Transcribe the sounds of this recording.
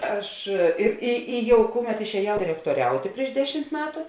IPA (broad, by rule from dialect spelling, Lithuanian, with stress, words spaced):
ˈɐʃ ɪr ˈɪ ɪ ˈjɛʊ ˈkʊˌmʲɛt ɪʃʲɛːˈjɛʊ dʲɪrʲɛktoːˈrʲɛʊtʲeː pʲrʲiɛʃ ˈdʲæːˌʃʲɪmt ˈmʲæːtʊ